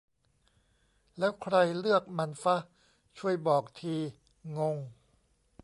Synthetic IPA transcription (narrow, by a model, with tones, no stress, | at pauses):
lɛː˦˥wkʰɾa˧jlɯ˥˩ək̚ma˧nfa˦˥ | t͡ɕʰu˥˩əjbɔː˨˩k̚t̪ʰiː˧ | ŋo˧ŋ